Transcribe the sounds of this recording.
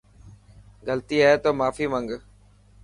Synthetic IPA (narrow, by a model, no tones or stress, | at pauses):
ɡəlt̪iːaːeːt̪oːmaːfiːməŋɡ